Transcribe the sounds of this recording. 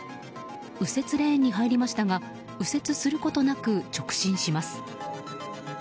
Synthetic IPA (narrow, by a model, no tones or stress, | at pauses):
ɯ̟se̞t͡sɨɾẽ̞ɲ̟ːiɦaiɾʲimaɕi̥t̪aɡa | ɯ̟se̞t͡sɨsɨɾɯ̟ko̞t̪o̞nakɯ̟t͡ɕo̞kɯ̟̥ɕĩɰ̃ɕimasɨ̥